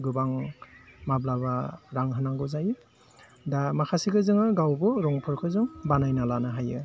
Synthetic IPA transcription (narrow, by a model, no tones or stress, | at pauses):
ɡɯbaŋ | mablaβaɾaŋɦɯnaŋɡɔzajɯ | damakʰasikʰɯzɯŋɯɡawbɯɾɔŋpʰɯɾkʰɯzɯŋbanajnalanaɦajɯ